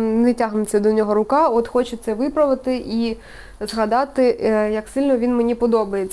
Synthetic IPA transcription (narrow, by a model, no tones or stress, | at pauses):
nɛtʲaɦnʊt͡sʲːɐd̪ɔnʲɔɦɔɾʊkɑɔt̪xɔt͡ʃɪt̪sɛʋɪpɾɐʋɪt̪ɪʔi | zɦɐd̪ɑt̪ɪjɐksɪlʲnɔʋʲinmenʲipɔd̪ɔbɐjet͡sʲː